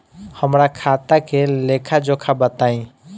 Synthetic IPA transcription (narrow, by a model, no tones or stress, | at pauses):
həmɾakʰat̪akelekʰad͡ʒokʰabət̪aĩ